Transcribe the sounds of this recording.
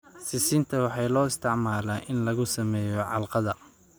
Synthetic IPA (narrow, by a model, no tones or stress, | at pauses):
sɪsɪnt̪ʰɐwɑħɑjlɔːɪst̪ʰɪʕmaːlaːʔɪnlɐɣʊsɐmɛːjɔʕɑ̰lqɑðɐ